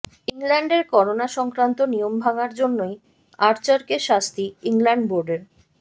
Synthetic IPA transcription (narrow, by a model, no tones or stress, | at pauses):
iŋlɛɳɖeɾkɔɾonaʃɔŋkɾant̪onijombʱaɡaɾd͡ʑonːoj | aɾt͡ɕaɾkeʃast̪iiŋlɛɳɖboɾɖeɾ